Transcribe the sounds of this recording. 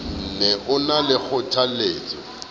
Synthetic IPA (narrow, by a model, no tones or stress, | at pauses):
n̩nɛʔʊnalɪk͡xʰʊtʰaleːt͡sʼɔ̰